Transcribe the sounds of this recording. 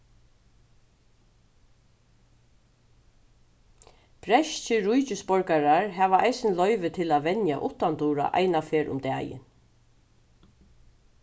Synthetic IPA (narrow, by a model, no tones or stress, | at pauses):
pɾɛʃt͡ʃɪɾujt͡ʃɪspɔɹkaɾaɹɦæːʋaʔajsɪnlœʏʋɪt̪ʰɪlaʋɛnja̰ʔʊt̪ant̪uːɾa̰ʔa̰jnafeːɾʔʊ̰md̪æːjɪ̰n